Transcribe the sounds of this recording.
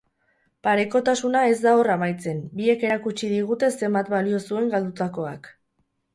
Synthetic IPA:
paɾe̞ko̞t̪asunae̞zd̪ao̞ramajt͡se̞mbie̞ke̞ɾakut͡ʃiðiɣ̞ut̪e̞se̞mbat̪balio̞sue̞ŋɡald̪ut̪ako̞a̰k

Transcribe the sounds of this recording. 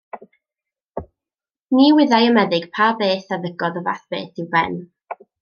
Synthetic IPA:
niːwɪðajəmɛðɪɡ̥pʰabeːθaðəɡɔðɔva̰θb̥ḛːθɪwbɛ̰n

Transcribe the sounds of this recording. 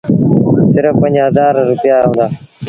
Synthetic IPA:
sɪɾəfpə̃ɲd͡ʒɦəzaːɾɾʊpjaːɦũːnd̪aː

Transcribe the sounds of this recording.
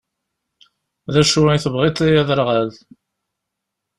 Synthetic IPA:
ðæʃuiθəvʁit̪ˤæjæðəɾʁæð

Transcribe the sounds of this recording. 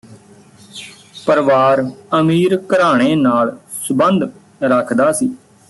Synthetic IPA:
pəɾʋaːɾəmiːɾkəɾaːɽ̃eːnaːl | sʊbənd̪ | ɾəkʰd̪aːsiː

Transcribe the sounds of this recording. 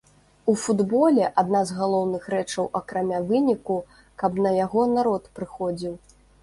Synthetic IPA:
ufud̪bɔlʲɛʔad̪nazɣalˠɔwnɨxɾɛt͡ʂɐwʔɐkɾamʲavɨnʲiku | kɐbnɐjaɣɔnaɾɔt̪pɾɨxɔd͡zʲiw

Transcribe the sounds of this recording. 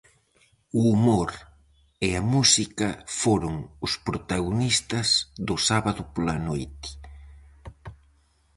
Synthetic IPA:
uːmoɾ | eamusikɐfoɾʊŋʊspɾot̪aɣonist̪ɐzðʊsaβaðʊpolanojt̪ɪ̥

